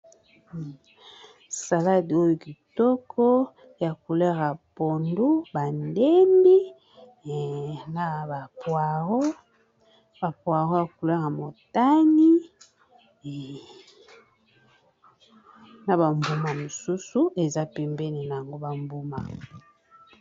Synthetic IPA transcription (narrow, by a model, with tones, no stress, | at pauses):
sa˨la˦di˨o˦jo˨ki˨tɔ˦kʰɔ˦ | ja˨ku˨lɛ˦ɣa˨po˨ndu˦ba˨nde˦mbi˦ | na˨ba˨pwa˨ɣo˦ | ba˨pwa˨ɣo˦ja˨ku˨le˦ɣa˨mo˨ta˦ni˦ | na˨ba˨mbu˦ma˨mo˨su˦su˨e˨za˦pɛ˨mbɛ˦ni˨na˨ja˨ŋɡo˦ba˨mbu˦ma̰˨